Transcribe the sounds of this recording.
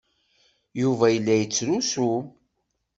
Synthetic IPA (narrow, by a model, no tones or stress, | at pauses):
juvæjəlːæjət͡sːɾusu